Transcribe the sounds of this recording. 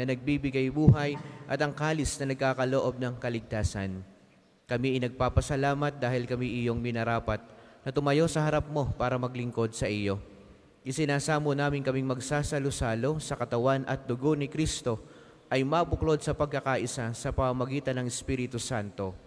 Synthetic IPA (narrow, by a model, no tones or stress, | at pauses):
nɐnɐɡ̚bibɪɡajbuːɦɐjʔɐt̪ɐŋkaːlɪsnɐnɐɡ̚kaːkɐloʔo̞b̚nɐŋkɐlɪɡ̚t̪aːsɐ̰n | kɐmiɐjnɐɡ̚paːpɐsɐlaːmɐt̪̚d̪aːhɪlkɐmiʔɪjo̞ŋmɪnɐɾaːpɐt̪̚nɐt̪ʊmɐjo̞sɐhɐɾap̚mo̞paːɾɐmɐɡlɪŋko̞d̪̚sɐʔijo̞ | ʔɪsɪnaːsaːmonaːmɪŋkɐmiŋmɐɡsaːsɐlosaːlo̞sɐkɐt̪ɐwanʔɐ̰t̪̚d̪ʊɡo̞nɪkɾist̪o̞ | ʔɐjmabʊklo̞d̪̚sɐpɐɡ̚kɐkaʔɪsasɐpɐmamɐɡiːt̪ɐnːɐŋɛspiːɾɪt̪usant̪o̞